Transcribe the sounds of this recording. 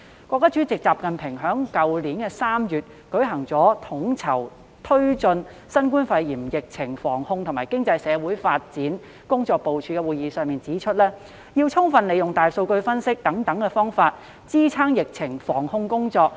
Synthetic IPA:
kʷɔː˧k̚ːaː˥t͡syː˨˥t͡sɪ˨k̚t͡saː˨p̚kɐ˨npʰɪ˨˩ŋɦœː˨˥ŋkɐ˨wliː˨˥nkɛ˧saː˥mjyː˨t̚ | kɵ˨˥ɥɦɐ˨˩ŋt͡sɔː˨˥t̪ʰʊ˨˥ŋt͡sʰɐ˨˩w | t̪ʰɵ˥ɥt͡sɵ˧n | sɐ˥nkuː˥nfɐ˧jjiː˨˩mjɪ˨k̚t͡sʰɪ˨˩ŋfɔː˨˩ŋhʊ˧ŋt̪ʰʊ˨˩maː˨˩jkɪ˥ŋt͡sɐ˧jsɛː˨˧wuː˨˥jfaː˧t̚t͡siː˨˥n | kʊ˥ŋt͡sɔː˧k̚po˨wt͡ʃʰyː˧˥kɛ˧wuː˨jiː˨˧sœː˨˧ŋmiː˨nt͡siː˨˥t͡ʃʰɵ˥t̚lɛː˥ | jiː˧wt͡sʰʊ˥ŋfɐ˨˧nle˨jʊ˨ŋt̪aː˨˩jso˧wkɵ˧ɥfɐ˥nsɪ˥k̚t̪ɐ˨˥ŋt̪ɐ˨˥ŋkɛ˧fɔː˥ŋfaː˧t̚ | t͡siː˥t͡sʰaː˥ŋjɪ˨k̚t͡sʰɪ˨˩ŋfɔː˨˩ŋhʊ˧ŋkʊ˥ŋt͡sɔː˧k̚

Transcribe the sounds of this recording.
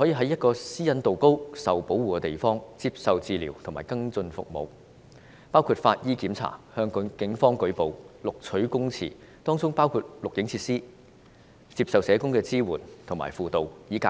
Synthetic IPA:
hɔː˨˥jiː˨˧ɦɐ˨˥jɐ˥t̚kɔː˧siː˥jɐ˥nt̪o˨wko˥wsɐ˨wpo˨˥wuː˨kɛ˧t̪e˨jfɔː˥ŋt͡siː˧p̚sɐ˨wt͡siː˨˧liː˨˩wt̪ʰʊ˨˩ŋmaː˨˩jkɐ˥ŋt͡sɵ˧nfʊ̰˨k̚mo̰˨˧w | paː˥wkʰuː˧t̚faː˧t̚jiː˥kiː˨˥mt͡sʰa̰ː˨˩hœː˧ŋkʊ˨˥nkɪ˨˥ŋfɔː˥ŋkɵ˨˥ɥpo˨wlʊ˨k̚t͡ʃʰɵ˨˥ɥkʊ˥ŋt͡sʰḭː˨˩ | t̪ɔː˥ŋt͡sʊ˥ŋpaː˥wkʰuː˧t̚lʊ˨k̚jɪ˨˥ŋt͡sʰiː˧t̚siː˥ | t͡siː˧p̚sɐ˨wsɛː˨˧kʊ˥ŋkɛː˧t͡siː˥wuː˨˩nt̪ʰʊ˨˩ma̰ː˨˩jfuː˨t̪o˨wjiː˨˥ka˧

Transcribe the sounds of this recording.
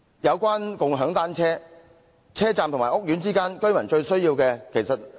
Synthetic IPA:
jɐ˨˧wkʷaː˥nkʊ˨ŋɦœː˨˥ŋt̪aː˥nt͡ʃʰɛː˥ | t͡sʰɛː˥t͡saː˨mt̪ʊ˨˩ŋmːaː˨˩ʔʊ˥k̚jyː˨˥nt͡siː˥kaː˥nkɵ˥ɥmɐ˨˩nt͡ʃɵ˧ɥsɵ˥ɥjiː˧wkɛː˧kʰe˨˩jsɐ˨t̚

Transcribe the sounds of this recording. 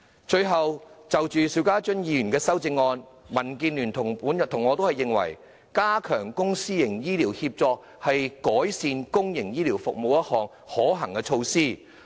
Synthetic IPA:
t͡ʃɵ˧ɥɦɐ˨wt͡sɐ˨wt͡ʃyː˨siː˨˥wkaː˥t͡ʃɵ˥njiː˧jyː˨˩nkɛː˧sɐ˥wt͡sɪ˧ŋːɔː˧nmɐ˨˩nkiː˧nlyː˨˩nt̪ʰʊ˨˩ŋpuː˨˥njɐ˨˩t̪ʰʊ˨˩ŋːɔː˨˧t̪o˥whɐ˨jɪ˨˩ŋwɐ̰˨˩j | kaː˥kʰœː˨˩ŋkʊ˥ŋsiː˥jɪ˨˩ŋjiː˥liː˨˩whi˧p̚t͡sɔː˧k̚ | hɐ˨jkɔː˨˥jsiː˧nkʊ˥ŋjɪ˨˩ŋjiː˥liː˨˩wfʊ˨k̚mo˨˧wjɐ˥t̚hɔː˨˩ŋ | hɔː˨˥ɦɐ˨˩ŋkɛː˧t͡ʃʰo˧wsiː˥˩

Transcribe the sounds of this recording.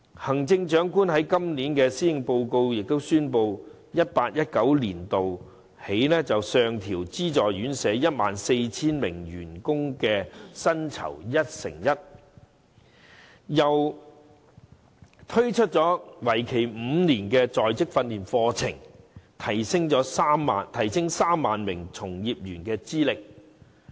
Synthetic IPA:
hɐ˨˩ŋt͡sɪ˧ŋt͡ʃœː˨˥ŋkuː˥nhɐ˨˥jkɐ˥mniː˨˥nkɛː˧siː˥ɪ˨˧ŋpo˧wko˧wjɪ˨k̚t̪o˥wsyː˥npo˧w | jɐ˥t̚paː˧t̚jɐ˥t̚kɐ˨˥wliː˨˩nt̪o˨w | he˨˥jnɛː˥t͡sɐ˨wsœː˨ŋt̪ʰiː˨˩wt͡siː˥t͡sɔː˨˩jɥyː˨˥nsɛː˨˥jɐ˥t̚ma̰ː˨nse˧jt͡sʰiː˥nmɪ̰˨˩ŋɥyː˨˩nkʊ˥ŋkɛː˧sɐ˥nt͡sʰɐ̰˨˩wjɐ˥t̚sɪ̰˨˩ŋjɐ˥t̚ | jɐ˨w | t̪ʰɵ˥ɥt͡ʃʰɵ˥t̚t͡sɔː˨˥wɐ˨˩jkʰe˨˩jm̩ː˨˧niː˨˩nkɛː˧t͡sɔː˨jt͡sɪ˥k̚fɐ˧nliː˨˩nfɔː˧t͡sʰɪ˨˩ŋt̪ʰɐ˨˩jsɪ˥ŋt͡ʃɔː˨˥saː˥mːaː˨nt̪ʰɐ˨˩jsɪ˥ŋsaː˥mːaː˨nmɪ˨˩ŋt͡sʰʊ˨˩ŋjiː˨p̚jyː˨˩nkɛː˧t͡siː˥lɪ˨k̚

